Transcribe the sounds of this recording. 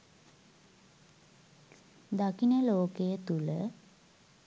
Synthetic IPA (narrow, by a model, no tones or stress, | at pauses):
d̪akinəloːkəjət̪ulə